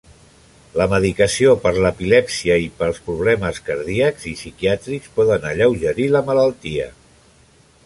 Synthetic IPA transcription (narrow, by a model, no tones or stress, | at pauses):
ləməðikəsiopəɾləpilɛpsiəipəlˠspɾuβ̞lɛməskəɾðiəkz̥isikiat̪ɾikspɔðənəʎəwʒəɾiləmələlˠt̪iə̰